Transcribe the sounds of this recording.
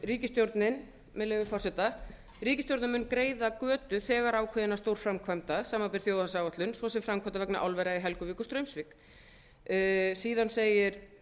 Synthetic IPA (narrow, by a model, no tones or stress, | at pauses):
riːcɪst̪jowɾt̪nɪn | mɛlɪːvɪfɔrsɛt̪a | riːcɪst̪jowɾt̪nɪmʏnkɾeːjðakœːt̪ʏθɛːɣaɾaːwkʰvɪðɪnaɾ̥st̪owɾ̥fɾamkʰvajmt̪asaːmapɪɾ̥θjoːwðhasaːwaht̪lʏnsvɔsɛmfɾamkʰɔt̪avɛknaʔawlvɛɾaiɦɛlkʏviːkʏ̥st̪ɾœɥmsvik | siːðanseːjɪɾ̥